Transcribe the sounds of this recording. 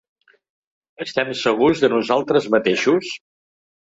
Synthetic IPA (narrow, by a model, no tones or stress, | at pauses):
əst̪ɛmsəɣ̞uzðənuzalˠt̪ɾəzmət̪eʃus